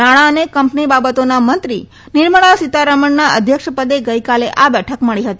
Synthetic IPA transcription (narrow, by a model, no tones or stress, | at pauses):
aɽ̃aənekəmpnibabət̪onamənt̪ɾi | niɾməɭasit̪aɾəməɳːaəd̪ʱjəkʂəpəd̪eɡəjkaleʔabɛʈʰəkməɭiɦət̪i